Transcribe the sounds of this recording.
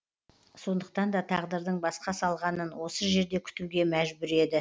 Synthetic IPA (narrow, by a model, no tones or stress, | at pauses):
so̞nd̪əq̚t̪ɑnd̪ɑt̪ʰɑʁd̪əɾd̪əɴbɑsqɑsɑlˠʁɑnənwo̞səʒe̞ɾd̪e̞kʲʰʏ̥t̪uɡʲe̞mæʒbʏɾe̞d̪ɪ